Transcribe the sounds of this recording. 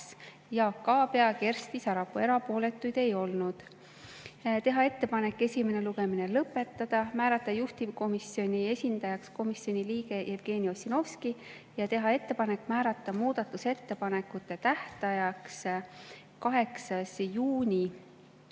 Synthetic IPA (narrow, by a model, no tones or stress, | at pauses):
s | jɑkːɑːpeɑke̞rst̪isɑɾɑpːue̞ɾɑpo̞ːle̞t̪ːˑujd̪̥e̞jo̞lnud̪̥ | t̪e̞ɦɑe̞t̪ːe̞pɑne̞kːˑe̞sʲime̞ne̞luɡ̥e̞mine̞lɤpːˑe̞t̪ˑːɑd̪̥ɑmæːɾɑt̪ːˑɑjuht̪iko̞misjo̞nʲie̞sʲind̪̥ɑjɑksko̞misːjo̞nʲiliːɡe̞jʔevɡ̥e̞ːniosino̞fski | jɑt̪e̞ɦɑe̞t̪ːe̞pɑne̞kːmæːɾɑt̪ːˑɑmuːd̪̥ɑt̪ːˑuse̞t̪ːe̞pɑne̞kːˑut̪ːˑe̞t̪æht̪ɑjɑks | kɑɦe̞ksɑsjuːnʲi